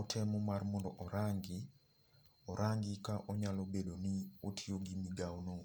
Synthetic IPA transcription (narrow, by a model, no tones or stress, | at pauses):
otʰɛmɔmarmɔndɔʔɔɾaŋɡɪ | ɔɾʔaŋɡikaʔɔɲalobedoniotʰioɡimiɡawno